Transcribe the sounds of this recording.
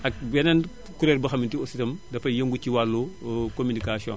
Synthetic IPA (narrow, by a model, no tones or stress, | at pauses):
ɐk̚bɛnɐn | kuɾeɾbɐxɐmintiositɐmdɐfɐjɐŋɡuciwalːokominikasiõ̰ːn